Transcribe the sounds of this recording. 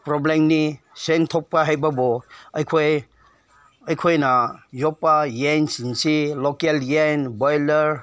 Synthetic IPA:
pɾɔblemni | sentʰɔk̚paɦajbɐbɔɐjkʰoj | ɐjkʰojnajɔpːajensiŋsilokeljenbɔjleɾ

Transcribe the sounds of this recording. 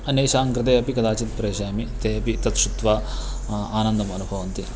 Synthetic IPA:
ɐneːʃaːŋkɾɐt̪ɐjɐpikɐd̪aːt͡ʃit̪pɾeːʃaːmit̪eːɐpit̪ɐt̪ʂut̪ʋaː | aːnɐnd̪ɐmɐnubʱɐʋɐnt̪i

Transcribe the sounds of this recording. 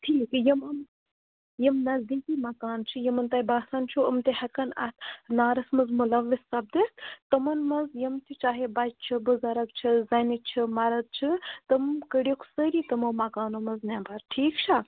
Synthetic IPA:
ʈʰiːkjɐmɐm | jɐmnɐzd̪ikiːmɐkaːnt͡ʃʰijɐmɐnt̪ajbaːsant͡ʃʰuɐmt̪ihɐkɐnɐ̰t̪ʰnaːɾɐsmɐzmulɐʋːisːɐb̚d̪ist̪ɐmɐnmɐzjɐmt̪ʰʲit͡ʃaːɦebɐt͡ʃt͡ʃʰibɨzɐɾɐk̚t͡ʃʰizɐnit͡ʃʰimɐɾɐd̪̚t͡ʃʰit̪ɐmkəɽikʰsəɾit̪ɐmowmɐkaːnomɐznɛbɐɾʈʰiːkt͡ʃʰa

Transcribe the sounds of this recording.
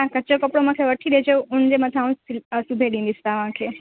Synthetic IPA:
ãkət͡ʃokəpɽomə̃kʰeʋəʈʰːiɗ̪ed͡ʒeũnd͡ʒemət̪ʰãũsubʱeɖĩnd̪ist̪aʋãkʰe

